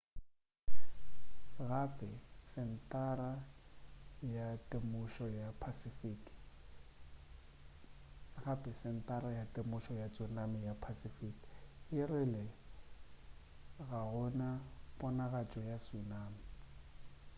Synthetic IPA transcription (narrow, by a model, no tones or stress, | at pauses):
ɣapʼɛsɪn̩tʼara | jatʼemʊʃɔjapʰasifik | ɣapʼɛsɪn̩tʼaɾajatʼemʊʃɔjat͡sʼunamɪjapʰasifikʼɪrɪlɛ | ɣaɦɔnapʼɔnaɣat͡ʃʼɔjasunaːmi